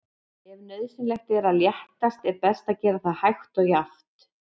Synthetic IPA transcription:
ɛvnœðsɪnlɛxt̪ɛɾaljɛht̪ast̪ɛɾpɛst̪aðcɛːɾaθaðhajxt̪ɔɣjaft̪

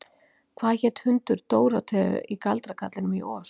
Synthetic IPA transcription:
kʰvaːðçɛːt̪hʏnt̪ʏɾt̪oːwɾat̪ʰɛːʏ̰ʔikalt̪ɾakʰat̪lɪnʏmiʔɔːs

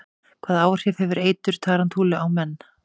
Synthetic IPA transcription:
kʰvaːðaːwr̥ɪfhɛvʏɾeːjt̪ʏɾ̥t̪ʰaːɾant̪ʰuːlɪawmɛnː

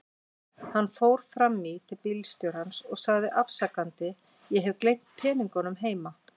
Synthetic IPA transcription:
hanːfoːwɾ̥fɾamːit̪ʰɪlpilst̪ʏɾ̥hansɔɣsaɣðɪʔafsakant̪ɪ | jɛɦɛvklejp̪̚pʰɛːniŋkanʏmɦeːjma

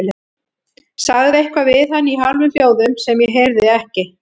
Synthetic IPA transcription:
lɛ | saɣðɪejhkvavɪθhanːiɦalvʏmpjoːwðʏmsɛmjɛɦeɾðɪɛhcɪ

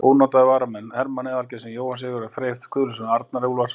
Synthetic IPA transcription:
ownɔt̪aðɪvaːɾamɛnːhɛɾmanɛðalcɪsɛmjoːwhansɪːɣʏɾafɾejft̪kʰʏːlʏsʏnaɾt̪̚naɾeːulvas

